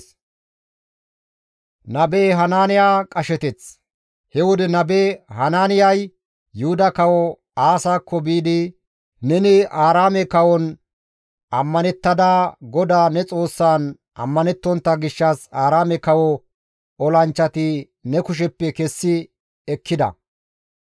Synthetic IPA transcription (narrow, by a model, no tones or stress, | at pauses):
nɐbeːɦɐnaːnɪjaːkʼɐʃɛt̪ɛt͡s | hɛwɔd̪ɛnɐbeːhɐnaːnɪjɐj | jʊhʊd̪ɐkɐwɔ | aːsaːkːɔbiːd̪ɪ | nɛnɪʔaːɾaːmɛkɐwɔn | ʔɐmːɐnɛt̪ːɐd̪ɐɡɔd̪aːnɛt͡sʼo̞ːsːaːn | ʔɐ̰mːɐnɛt̪ːɔnt̪ːɐɡɪʃːɐsaːɾaːmɛkɐwɔ | ɔlɐnt͡ʃːɐt̪ɪ | nɛkʊʃ̬ɛpːɛkɛsːɪ | ɛkʰːɪd̪ɐ̰